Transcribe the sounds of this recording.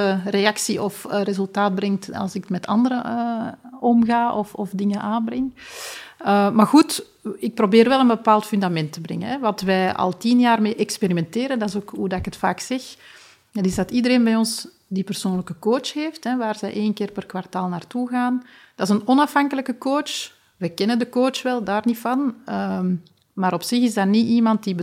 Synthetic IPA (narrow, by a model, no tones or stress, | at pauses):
əreɑksiʔɔfrezɵlˠtaːd̚brɛŋtɑ̰lˠsɪkətmɛtʰɑ̰ndəɾəəɔmɣaːʔɔfɔfdɪŋənʔaːnbrɪŋ | əmarɣut | ɪk̚probeːɾʋɛlənbəpaːlˠtfʏndamɛntəbrɛ̰ŋə̰ɦɛʋɑtʋɛjɑ̰lˠtinjaːrmeːʔɛkspeɾimɛnteːɾəndɑzoːkɦudɑɪkətfaːksɛx | ətɪzdɑtidəɾeːnbɛjɔns | dipər̥soːnləkəkoːt͡ʃheːftɛʋaːrzɛjʔeːnkɪːrpərkwartaːlˠnaːrtuɣaːn | d̥ɑɪzənɔnɑfɦɑŋkələkəkoːt͡ʃ | ʋɛkɛnəndəkoːt͡ʃʋɛlˠdaːrnifɑnə | maːɾɔpsɪxɪzdaniʔimɑnt̚dibə